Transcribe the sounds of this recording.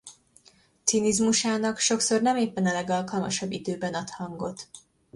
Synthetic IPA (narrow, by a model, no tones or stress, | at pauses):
t̪sinizmuʃaːnɒkʃo̞kso̞rnɛmeːpːɛnɛlɛɡɒlkɒlmɒʃɒbːid̪øːbɛnɒt̪hɒŋɡo̞t̪